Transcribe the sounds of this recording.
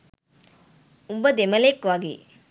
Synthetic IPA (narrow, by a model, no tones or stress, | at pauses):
umbəd̪emɐlekʋaɡḛː